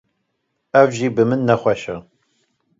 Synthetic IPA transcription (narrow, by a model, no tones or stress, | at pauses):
ɐvʒiːbɨmɨnːɐχʷɐʃɐ